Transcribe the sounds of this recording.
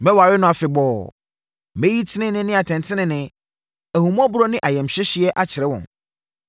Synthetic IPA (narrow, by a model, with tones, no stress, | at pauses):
mɛ̃˦wa˨ɾɪ˦nʊ̃˦a˨fɪ˨bɔː˨ | mẽ˦ji˦tʰɪ˦nɪ̃˦nɪ̃˦nɪ̃˦a˨tʰɛ̃˨ntʰɪ̃˦nɪ̃˨nɪ̃˨ | æ˨hũ˨mũ˦a˦bʊ˦ɾɔ˦nɪ̃˦ʔa˨jɛ̃˨m̩˨ɕᶣɪ˦ɕi˦ɛ˦ʔa˦t͡ɕʰɪ˨ɾɛ˦wɔ̰̃˨n